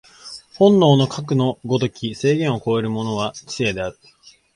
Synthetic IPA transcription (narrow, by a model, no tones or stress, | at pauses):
hõ̞nːo̞ːno̞kʰak̬ɯ̟no̞ɡo̞t̪o̞kʲise̞ːɡẽ̞ɰ̃o̞ko̞e̞ɾɯ̟mo̞no̞βat͡ɕi̥e̞d̪e̞aɾɯ̟̥